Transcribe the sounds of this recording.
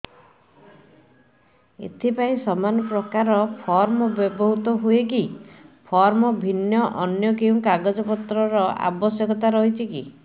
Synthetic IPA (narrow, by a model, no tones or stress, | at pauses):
ḛt̪ʰipaĩsɔmanɔpɾɔkaɾɔpʰɔɾmɔbjɔbɔɦut̪ɔɦuekipʰɔɾmɔbʱinjɔʔɔnjɔkew̃kaɡɔd͡ʒɔpɔt̪ɾɔɾɔa̰bɔsjɔkɔt̪aɾɔɦit͡ʃʰiki